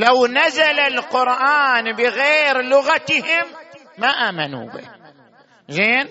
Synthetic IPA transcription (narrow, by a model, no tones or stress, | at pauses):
lawnazalalqʊɾʔaːnbɪɣeːɾlʊɣat̪ɪhɪmː | aʔaːmanṵːbɪ̰ | zeːn